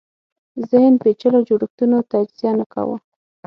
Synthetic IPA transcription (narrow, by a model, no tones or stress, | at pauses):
zɪhnpet͡ʃəlod͡ʒoɽəxt̪unot̪ad͡ʒz̥jɑnaka̰wa̰